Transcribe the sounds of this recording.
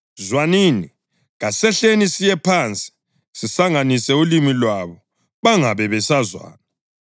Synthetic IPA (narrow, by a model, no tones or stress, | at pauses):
zwaniːni | ɣasɛɬenisijɛpʰant͡sʼi̥ | sisaŋanisɛulimilwaβɔ | βaŋaβɛβɛsazwa̰ːna